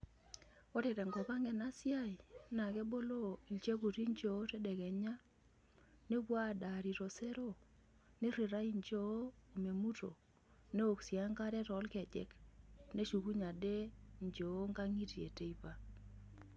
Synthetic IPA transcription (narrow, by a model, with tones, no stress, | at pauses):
ɔ˦ɾɛ˨ɾɛ˨ŋɡɔ˨pa˦ŋɡɛ˨na˦sja˦i˨˦na˨kɛ˦bo˦lo˦i˨lt͡ʃe˦k̬u˨ti˦ɲt͡ʃo˨o˦tɛ˦dɛ˨kɛ˨ɲa˦ | ne˦bwa˦˨da˨ɾi˨ɾo˨se˦ɾo˦˨ | nɪ˦ɾɪ˨ɾa˦i˦nt͡ʃo˦o˦o˨me˨mu˦to̰˨ | ne˦o˨ksja˦ŋka˦ɾɛ˦tɔ˨˦lkɛ˨d͡ʒɛ̰˨kne˦ʃu˨ku˦ɲa˨de˦ɲd͡ʒo˨˦ŋɡa˦ŋi˦tjḛ˨te˦i˦pa˨